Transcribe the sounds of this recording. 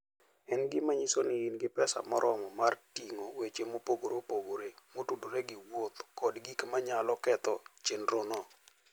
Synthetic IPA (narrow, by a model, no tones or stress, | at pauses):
ɛnɡɪmaɲisonɪinɡɪpɛsa̰mɔ̰ɾʔɔmɔmartiŋowet͡ʃemopoɡoɾopoɡoɾemotudoɾeɡɪwot̪kɔdɡikmaɲalɔkɛt̪ɔt͡ʃenɾonɔ